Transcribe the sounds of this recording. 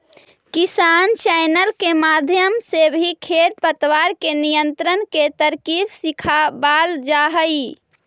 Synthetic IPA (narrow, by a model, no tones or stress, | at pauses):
kisant͡ʃajnəlkemad̪ʱjəmsebʱikʰeɾpət̪ʋaɾkenijənt̪ɾənket̪əɾkibsikʰabald͡ʒaɦəj